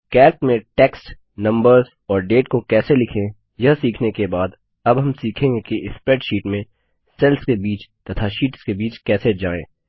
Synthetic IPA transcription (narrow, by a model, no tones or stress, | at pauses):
kɛːɾʈmẽʈɛːksʈ | nɐ̃mbəɾz | ɔːɾɖeːʈkokɛːselɪkʰẽ | jɐsiːkʰnekebaːd̪ | ɐbɦɐmsiːkʰẽːŋɡekeɪspɾɛːʈʃiːʈmẽ | sɛlskebiːt͡ʃt̪ɐt̪ʰaʃiːʈskebiːt͡ʃkɛːsed͡ʒaːḛ̃ː